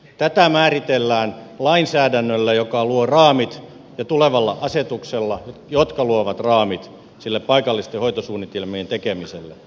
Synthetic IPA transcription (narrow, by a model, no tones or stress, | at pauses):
t̪æt̪æmæːrit̪elːæːn | lɑinsæːdænːølːæjokɑluorɑːmit̪ | jɑt̪uleʋɑlːɑʔɑset̪ukselːɑjot̪kɑluoʋɑt̪rɑːmit̪ | silːeppɑikɑlːist̪ehoit̪osuːnit̪ilmient̪ekemiselːe